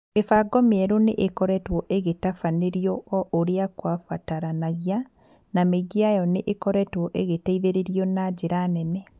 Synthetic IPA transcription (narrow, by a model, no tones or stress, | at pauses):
efaɡɔmeeɾoneʔekɔɾɛtwɔʔeɣetafaneɾijɔʔoɾeakwafataɾanaɣja | nameɡiajɔneʔekɔɾɛtwɔʔeɣetaiðeɾeɾjɔnaɟeɾanɛnɛ